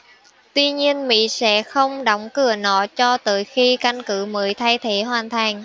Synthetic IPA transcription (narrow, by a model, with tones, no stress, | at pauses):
t̪wi˧ɲi˧ənmḭ˧˥sɛ̰˧˥xə˧wŋ͡mɗə˨˦wŋ͡mkɨ˧˩ənɔ̰˧˩˦t͡ɕɔ˧t̪əː˨˩jxi˧ka˧ŋkɨ˧˦məː˨˦jt̪ʰaː˧jt̪ʰe˧˦ɦwaː˨˩nt̪ʰa˨˩jŋ